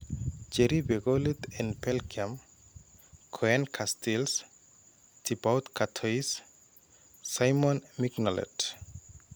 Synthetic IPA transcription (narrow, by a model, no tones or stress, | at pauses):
d͡ʒeɾibeɡɔlit̪ɛ̃npelkʰiam | kʰɔɛnkʰastʰils | tʰibawt̪kʰatʰojs | sajmɔ̃nmiknɔlḛt